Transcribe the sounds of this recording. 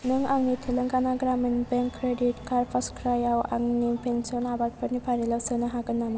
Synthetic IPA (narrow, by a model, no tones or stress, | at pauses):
nɯŋaŋnit̪ʰilɯŋkanaɡɾaminbeŋkʰːɾeditkaɾpʰaskɾajawa̰ŋnipensiɔnabat̚pəɾnipʰaɾilawsɯnaɦaɡɯnːama